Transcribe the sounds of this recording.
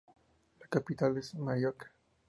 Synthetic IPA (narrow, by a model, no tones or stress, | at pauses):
lakapit̪alesemajoɾkḁ